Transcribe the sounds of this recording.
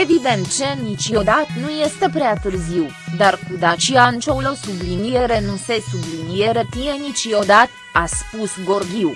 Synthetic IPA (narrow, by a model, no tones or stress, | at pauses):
evib̪emt͡ʃenit͡ʃiod̪at̪nujest̪epɾeat̪ɨrziw | d̪arkud̪at͡ʃiant͡ʃowlosublinijeɾenunsesublinijeɾepienit͡ʃjo̞d̪at̪ | aspusɡorɡʲiw